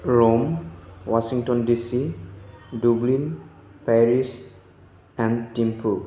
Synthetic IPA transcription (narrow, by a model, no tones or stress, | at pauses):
ɹomwasiŋtɔndisi | dublin | paɹis | ɛ̃ntimpʰu